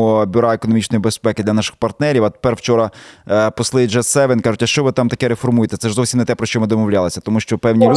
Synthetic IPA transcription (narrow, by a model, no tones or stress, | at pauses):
ɔbʲʊɾɑekoɔnɔmʲit͡ʃnɔjibespɛkɪd̪lʲɐnɑʃɪ̥xpɐrt̪nɛɾʲiwɐt̪e̥pɛrwt͡ʃɔɾɐpɔslˠɪd͡ʒɛsɛʋɛnkɑʒʊtʲɐʃt͡ʃɔʋɪt̪ɑmt̪ɐkɛɾefɔrmujet̪ɛt̪sɛʒzɔwsʲimnɛt̪ɛpɾɔʃt͡ʃɔmɪd̪ɔmɔwlʲalˠesʲɐt̪ɔmuʃt͡ʃɔpɛwnʲiɾ